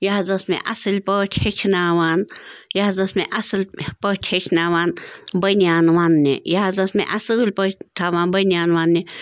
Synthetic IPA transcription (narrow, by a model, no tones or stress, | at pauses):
jaːzɐsmḛ̃ʔɐsɨlʲpətʰhet͡ʃʲʰnaːʋaːnjaːzɐsmẽʔɐsɨlʲpɐtʰʲet͡ʃʰnaːʋaːnbɐniaːnʋaːnːḛjaːzɐsmḛ̃ʔɐsɨlʲpət̪ʰaːʋaːnbɐnʲaːnʋaːnːi